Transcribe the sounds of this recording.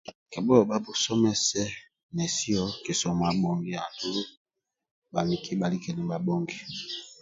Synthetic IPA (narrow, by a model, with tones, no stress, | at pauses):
kɛ˨bɔ˦˨ba˦bo˨sɔ˦mɛ˦sɛ˦ | nɛ˨si˦ɔ˦ki˨sɔ˨m˨a˨bo˨ŋɡi˦a˨tu˦ɾu˦ | ba˨li˨kʰi˦ba˨li˦kɛ˨nɛ˨ba˦bo˦ŋɡi˦